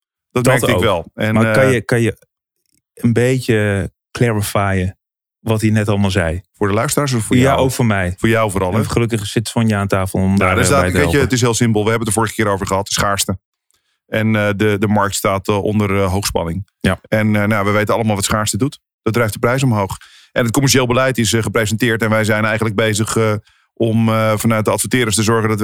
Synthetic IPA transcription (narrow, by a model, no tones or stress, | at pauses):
d̥ɔtmɛɹktɪʋɛlˠɛnmakɑnjəkɑnjə | ənbejə | klɛɹəfaːjə | ʋɑthinɛtɑlˠmaːlˠzɛjfʊːɹdəlœɥstəraːɹs̬əɔfʊːɹjaʔowkfʊːɹmɛjfʊːɹjawvoːɾɑlˠχəlɵkəχsɪtfɔnjəaːntaːfəlˠɔmdadsaʋejəətɪs̬ɦɪːlˠsɪmpəlˠʋəɦɛbənətəɹvʊːɹəχəkɪːɾowvəɹχəɦɑtəsχaːɹstə | ɛnədədəmɑɹk̚tstaːtʔɔ̰ndərɦowχspɑ̰nɪŋ | ɛnnaʋəʋejtənɑləmaːlˠʋɑtsχaːɹstədut | d̥ɑd̚drɛjfdəprɛjs̬ɔmɦowχ | ʔɛnət̚kɔmɛɹʃejlˠbəlɛjtɪsχəprejzəntɪːɹtɛnʋɛjzɛjnɛjχənləɡ̚bejzəχ | ɔmfɑnœɥt̚dəɑtfətɪːɾəstəzɔɹχəndɑt